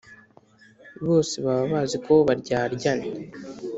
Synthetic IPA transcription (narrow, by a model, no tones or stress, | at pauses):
βo̞ːseβaβaβaːziko̞βaɾɟaːɾɟane